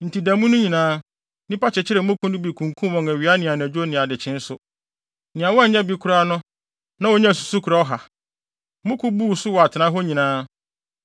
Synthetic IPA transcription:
n̩˨ti˨dã˨mũ˦nʊ̃˦ɲĩ˨nãː˦ | nĩ˦pa˦t͡ɕʰɪ˨t͡ɕʰɪ˦ɾɛ˨˦mʊ̃˦kʰʊ̃˦nʊ̃˦bi˨kʰũ˨ŋ˨kʰũ˦wɔ̃˨ŋæ˨ɥi˨a˦nɪ̃˨a˨n˨æ˨d͡ʑᶣo˦nɪ̃˨a˨dɪ˨t͡ɕʰɪ̃˦n̩˦sʊ˦ | nɪ̃˨ã˨wɔ˦˨˦ɲã˦bi˨kʰʊ˦ɾa˦nʊ̃˦ | nã˦wɔ˨ɲã˦˨s̬u̥˨su˦kʰɾa˨˦ɔ˦ɦa˨ | mʊ̃˦kʰʊ̃˦bu˦˨sʊ˦wɔ˨a˨tʰɪ˨nã˦ɦɔ˦ɲĩ˨nãː˦

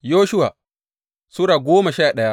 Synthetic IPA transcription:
joː˦ʃʊ˦wa˨ | su˦ɾaː˨ɡʷoː˦ma˨ʃaː˦˨ɗɐ˦ja˦

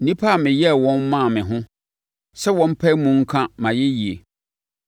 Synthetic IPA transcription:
n̩˨nĩ˦pʰa˦˨mɪ̃˨jɛ˦˨wɔ̃˦nmã˦˨mɪ̃˨ɦʊ̃˦ | sɛ˦wɔ̃˦m̩˦pʰɛ˦mũ˨ŋ̩˦kʰã˦mã˨jɛ˦ji˨e˨

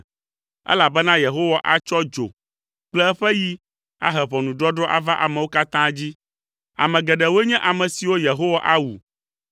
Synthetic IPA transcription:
ɛ̰˦la˨bɛ˦nã˦je˨ɦo˦wa˨ʔa˨t͡ʃɔ˦d͡ʒo̰˨ | k͡plɛ˦ɛ˦ɸɛ˦ji˦ | a̰˦ɦɛ˨βɔ˨nũ˨ɖɾɔ˦ɖɾɔ˦ʔa̰˨va˦ʔa˨mɛ̃˨wo˦ka˦t̪ã˦d͡ʑi˦ | a̰˨mɛ̃˨ɡɛ˨ɖɛ˨wo˦ɲɛ̃˦ʔa˨mɛ̃˨si˨wo˦je˨ɦo˦wa˨ʔa˦wu˨

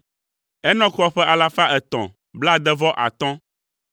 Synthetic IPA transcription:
ɛ˦nɔ̃˦kɔ˦ɸɛ˦ʔa˨la˦fa˦ʔɛ˨t̪ɔ̰̃˨ | bla˦d̪ɛ˦vɔ˦ʔa̰˨t̪ɔ̃˦

